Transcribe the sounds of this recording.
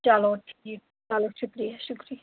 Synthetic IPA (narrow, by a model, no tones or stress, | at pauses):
d͡ʒaloʈʰii | d͡ʒalokʃukɾijaʃukɾi